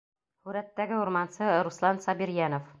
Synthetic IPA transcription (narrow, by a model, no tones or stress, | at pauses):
hʉɾæt̪ːæɡɘuɾmɑnsɤɾuslˠɑnsɑbiɾjænŏf